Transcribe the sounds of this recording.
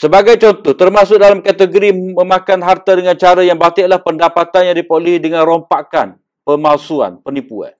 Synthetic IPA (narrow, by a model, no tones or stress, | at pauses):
səbaɡajt͡ʃɔnt̪ɔht̪ərmasʊʔ̚dalamkat̪əɡoɾimə̃mãkanɦart̪adəŋãnt͡ʃaɾajaŋbat̪ɪʔlahpəndapat̪anjaŋdipoluɦidəŋanrompakan | pəmalsua̰npənipua̰n